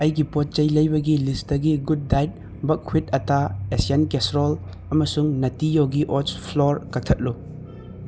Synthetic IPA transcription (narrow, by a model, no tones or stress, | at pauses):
ɐjɡipot̚t͡ʃɐjlɐjbɐɡilisdɐɡiɡud̚ːajt̚ | bɐkʰwit̚ɐtaesienkesɾol | ɐmɐsuŋnɐtijowɡiʔot͡ʃpʰloɾkɐk̚tʰɐt̚lu